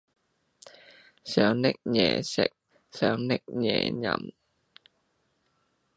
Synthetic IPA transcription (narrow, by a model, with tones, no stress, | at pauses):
sœː˨˥ŋnɪ˦˥k̚jɛ̰ː˨˩sɪ̰˨k̚ | sœː˨˧˥ŋnɪ˥k̚jɛ̰ː˨ɲɐ̰˨m